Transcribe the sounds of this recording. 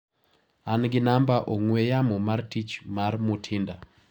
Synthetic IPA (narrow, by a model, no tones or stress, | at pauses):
anɡɪnambaʔoŋwejamɔmartit͡ʃmarmʊtʰɪnda